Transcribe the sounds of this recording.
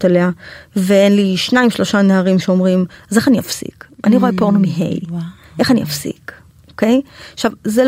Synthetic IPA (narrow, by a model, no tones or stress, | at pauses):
t̪aleaveenliʃnaimʃlo̞ʃaneaʁimʃeo̞mʁimzeχaniafsḭkʔaniʁoepoʁnomiɦḛj | ʔe̞χanḭʔafsḭk | ʔoke̞jʃavzel